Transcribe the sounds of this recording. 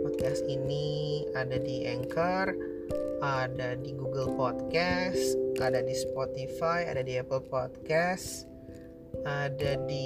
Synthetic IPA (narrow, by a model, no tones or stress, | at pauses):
ɔt̪̚kasiniadadiʔɛŋkər | adadiɡuɡəlpɔt̪̚kasʔadadispɔt̪ifaja̰dadiapəlpɔt̪̚kas | adadi